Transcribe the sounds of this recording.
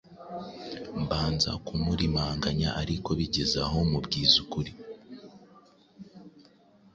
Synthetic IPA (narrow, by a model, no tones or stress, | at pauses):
mbaːnza̰kumuɾimaːŋɡaɲa̰ʔaɾiko̞βiɟezaɦo̞mubɟiːzukuɾi